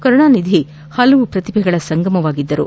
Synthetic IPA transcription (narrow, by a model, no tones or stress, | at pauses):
kɐɾɐɳaːnid̪ʱi | hɐlɐʋupɾɐt̪ibʱɛɡɐɭɐsɐŋɡɐmɐʋaːɡid̪ːɐɾṵ